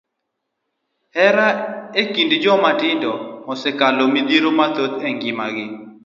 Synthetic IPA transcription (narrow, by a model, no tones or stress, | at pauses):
hɛɾaekindd͡ʒɔmatɪndɔmɔsɛkalomid̪iɾomat̪ot̪ɛŋɡɪmaɡɪ